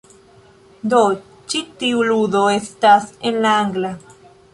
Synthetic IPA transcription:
d̪o | t͡ʃit̪iuluðoest̪asenlaaŋɡla

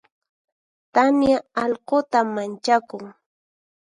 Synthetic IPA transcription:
t̪amjaɑʎqot̪amːant͡ʃakʊŋ

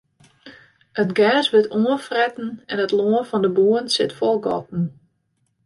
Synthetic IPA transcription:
ətɡɛːsʋɪtʰuəfrɛtn̩ɛnətloənfɔndəbuənsɪtfɔlˠɡɔ̰tn̩

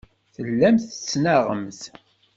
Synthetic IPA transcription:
θəlːæmθə̥t͡sːnaʁə̰mθ

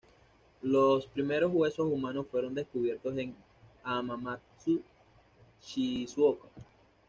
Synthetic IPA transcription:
lo̞spɾime̞ɾo̞zɣwe̞so̞sumãno̞sfwe̞ɾo̞nd̪e̞skuβ̞je̞ɾt̪o̞se̞ŋ | amama | su | t͡ʃiswoka

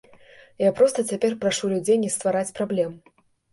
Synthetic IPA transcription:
japɾɔst̪ɐt͡sʲapʲɛrpɾaʂulʲud͡zʲejnʲɛst̪vaɾat͡sʲpɾablʲɛm

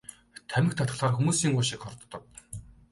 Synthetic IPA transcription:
t̪ʰæmɘ̆xt̪ʰat̪χə̆ɮχaːrxumuːsiːŋɢʊːʃɪ̆kχɔrt̪ːɞ̆k̚

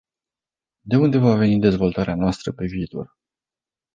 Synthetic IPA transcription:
d̪e̞und̪e̞vave̞nid̪e̞zvo̞lt̪aɾeanoast̪ɾəpe̞viːt̪o̞̰r

